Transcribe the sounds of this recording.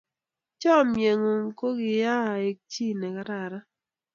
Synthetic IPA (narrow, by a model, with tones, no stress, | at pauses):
t͡ʃɔ˦˨mje˨ŋo˨ŋ˦ko˦ɡɪ˨ja˦˨e˨k̚t͡ʃi˦nɛ˨ka˦ɾa˨ɾa˦